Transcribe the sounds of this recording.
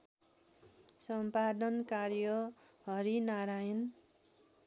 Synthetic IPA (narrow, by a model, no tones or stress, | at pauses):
sʌmpad̪ʌnkarjʌ | ɦʌɾinaɾajn